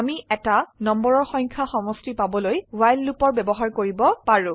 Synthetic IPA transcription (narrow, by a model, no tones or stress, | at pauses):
amiɛtanɔmbɔɹɔɹxɔjɲ̃kʰaxɔmɔstipabɔlojwajlːupɔɹbɛbɔɦaɹkoɹibɔpaɹũ